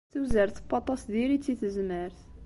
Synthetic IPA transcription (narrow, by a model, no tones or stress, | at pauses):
θuwzəɾθəbɑt̪ˤɑsðiɾit͡sːiθəzməɾθ